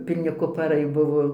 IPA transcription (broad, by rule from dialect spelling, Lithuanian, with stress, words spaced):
pʲɪlʲˈnʲɪ kʊpɐˈrɐɪ ˈbʊʋoː